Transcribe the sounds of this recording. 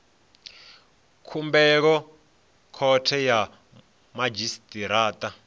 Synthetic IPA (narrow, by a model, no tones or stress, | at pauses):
kʰumbɛk̬ɔ | kʰɔtʰɛja | mad͡ʒistʼiɾaːtʼa